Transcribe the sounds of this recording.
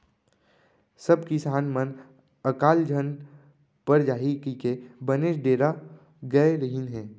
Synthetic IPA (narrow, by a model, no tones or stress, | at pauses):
səbkisaːnmən | əkaːld͡ʒʱən | pəɾd͡ʒaːɦikikebəneːʃɖeːɾa | ɡɐeɾəɦinɦɛ̃ː